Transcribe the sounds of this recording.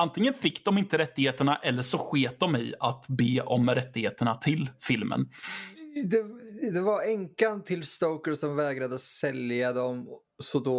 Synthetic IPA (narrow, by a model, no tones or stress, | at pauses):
ant̪ʰɪŋːənfɪkːd̪ɔmɪnt̪əɾɛt̪ːɪɡheːt̪əɳaʔɛlːəʂɔɧeːt̪̚d̪ɔmɪ̰at̪beːʔɔmɾɛt̪ːɪheːt̪əɳat̪ʰɪlfɪlmə̰n | d̪ɛd̪ɛvaɾɛŋkant̪ʰɪlst̪oʊkəsɔmvɛːɡɾad̪əsɛljad̪ɔm | sɔd̪oː